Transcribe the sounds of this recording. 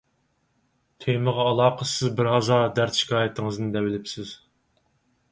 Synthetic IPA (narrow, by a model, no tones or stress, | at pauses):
t̪ʰejmɨʁɑːlˠɑːqʰəsɪzbɪɾɦɑzɑd̪æɾt̪ʃi̥kʲʰɑːjɛt̪ʰɪŋɨznd̪ɛwɪlɪpsɪz̥